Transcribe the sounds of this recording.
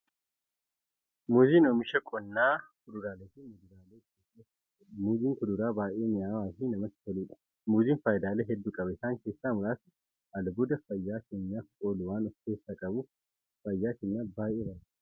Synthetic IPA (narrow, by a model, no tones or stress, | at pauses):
muːziːnoːmɪʃɐkʼɔnːaːkʊd̪ʊɾaːleːt̪imʊd̪ʊɾaːleːkeːkeː | muːziːŋkʊd̪ʊɾaːbaːjeːɲɪaːwaːtiːnɐmɐt̪ːɪ̥fɔluːᶑɐ̥ | muːziːnfaːjɪd̪aːleːɦɛd̪ːuːkʼɐbɐɪsaːŋke̞ːsːaːmʊɾaːsɪ | ʔɐlbʊd̪ɐfɐjːaːke̞ːɲːaːfkʼoːlʊwaːnɔft̪e̞ːsːaːkʼɐbʊ | fɐjːaːkeːɲːaːbaːʔeːbɐɾ